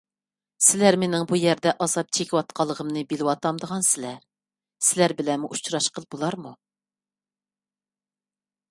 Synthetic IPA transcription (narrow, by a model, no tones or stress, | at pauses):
sɪlæɾmenɪŋbujɛɾd̪ɛʔɑzɑp̚t͡ʃʰekʲiwɑt̪̚qʰɑlˠːəʁəmnɨbelɪwɑt̪ɑmd̪əʁɑnsɪlæɾ | sɪlæɾbɪlɛnmuʔut͡ʃɾɑʃqəlˠbolˠɑɾmu